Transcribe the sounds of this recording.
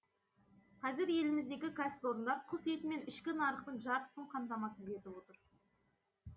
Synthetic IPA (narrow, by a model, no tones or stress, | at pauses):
qʰɑzɪɾje̞lɪmɪzd̪e̞ɡʲɪkʰasʲɪt̪o̞ɾənd̪ɑɾqʰʊset̪ɪme̞nɪʃkʲɪnɑɾəqpənʒɑɾt̪ə̥səɴqʰɑnt̪ɑmɑsəze̞t̪ɪbwo̞t̪əɾ